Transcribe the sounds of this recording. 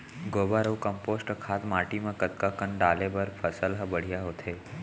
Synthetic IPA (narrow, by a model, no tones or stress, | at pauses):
ɡobaɾəwkəmposʈkʰat̪maːʈimãkət̪̚kakəɳɖalebəɾpʰəsəlɦəbəɽ̤ijaɦot̪ʰe